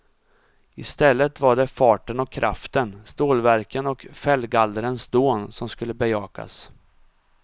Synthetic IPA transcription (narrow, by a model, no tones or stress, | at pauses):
ɪst̪ɛlːət̪vaɖɛfɑːʈənɔkʰːɾʔa̰ft̪ənst̪oːlvæɾkənɔkfɛlːɡald̪əɾənsd̪oːnsɔmskɵlːəbɛjɑːka̰s